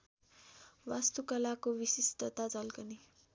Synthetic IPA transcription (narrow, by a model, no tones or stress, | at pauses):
wast̪ukʌlakowisisʈʌt̪ad͡zʌlkʌni